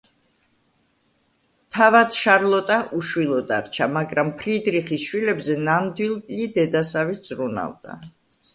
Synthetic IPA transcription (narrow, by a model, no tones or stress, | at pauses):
t̪ʰavad̪̥ʃaɾlˠɔt̪ʼaʔuʃwilˠɔd̪a̰ɾt͡ʃʰamaɡɾampʰɾid̪ɾiχisʃwilɛbzɛnamd̪wilˠpʼlid̪ɛd̪asaviz̥ɾuna̰vd̪̥a̰